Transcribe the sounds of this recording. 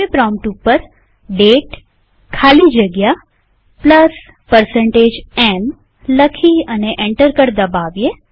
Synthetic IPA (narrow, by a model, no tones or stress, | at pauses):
epɾɔ̃mʈupəɾ | ɖeʈ | kʰalid͡ʒəɡja | pləs | pəɾseɳʈed͡ʒɛm | ləkʰiəneʔeɳʈəɾkəɾd̪əbaʋje